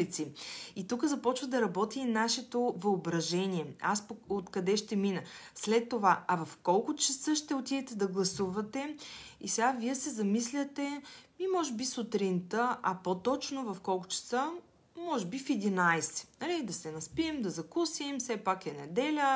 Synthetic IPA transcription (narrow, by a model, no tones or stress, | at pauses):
lit̪siit̪ukəzɐpɔt͡ʃvəd̪ɐɾɐbɔt̪inaʃɛt̪ovɐobɾɐʒɛniɛaspoot̪kɐd̪ɛʃt̪ɛminəslɛt̪ːovaɐvɐfkɔlˠkʊt͡ʃɐsɤʃt̪ɛot̪ivɛt̪ɛd̪ɐɡlˠɐsuvɐt̪ɛisɛɡaviɛsɛzɐmislʲət̪ɛmimɔʒɛbisʊt̪ɾint̪əʔɐpot̪ɔt͡ʃnovɐfkɔlˠkʊ̥t͡ʃɐ̥sə | mɔʒɛbifɛd̪inajsɛ̥nɐlid̪ɐsɛnɐspiɛmd̪ɐzɐkusimfsɛpakɛnɛ̰d̪ɛlʲə